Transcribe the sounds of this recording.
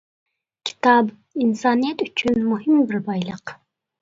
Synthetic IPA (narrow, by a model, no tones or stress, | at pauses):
kʲʰi̥t̪ɑb | insɑnijet̪yt͡ʃynmuɦimbiɾbɑjlˠɤq